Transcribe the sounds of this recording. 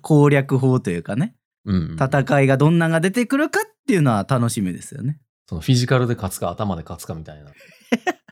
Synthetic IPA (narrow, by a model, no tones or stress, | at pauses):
kʰo̞ːɾʲakɯ̟ɦo̞ːt̪o̞jɯ̟ːkane | ɯ̃t̪at̪akaiɡad̪õ̞nːaɡad̪e̞t̪e̞kɯ̟ɾɯ̟kat̪ːe̞jɯ̟no̞βat̪ano̞ɕimɯd̪e̞̰sɨjo̰ne̞ | so̞noɸʲiʑikaɾɯ̟d̪e̞kat͡sɨ̥kaːt̪amad̪e̞kat͡sɨ̥kamʲit̪aina